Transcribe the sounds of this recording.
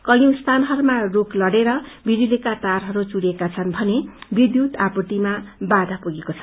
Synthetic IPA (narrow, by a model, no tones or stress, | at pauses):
kʌjũst̪ʰanɦʌɾumaroklʌɽeɾʌbʱiɾilekat̪arɦʌɾut͡suɽekat͡sʰʌnbʱʌnebid̪jut̪apuʈ̪imabad̪ʱapuɡekot͡sʰʌ̥